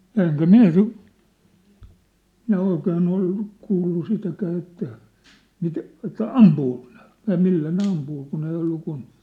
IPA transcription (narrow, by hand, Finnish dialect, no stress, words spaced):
jɑ eŋkæ min̞̆æ sit minæ oikeːn ol kuːlːu sitækæː etːæ mit etːæ ɑmpuːko ne̥ jɑ milːæ ne ɑmpuː kun ei olːu kun